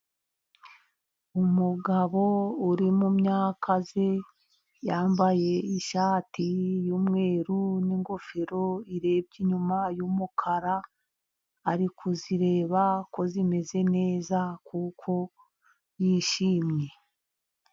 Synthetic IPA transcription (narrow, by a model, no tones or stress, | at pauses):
umuɡaβo̞uɾimumɲaːkʰaze̞ | jaːmbaje̞iʃaːtʰijuːmŋe̞ːɾuniŋɡofeɾo̞iɾe̞ːb̚ɟiɲumajumukʰaɾaː | ɾikʰuziɾe̞ːβako̞zime̞ze̞ne̞ːzakukʰo̞ | jiːʃiːmɲe̞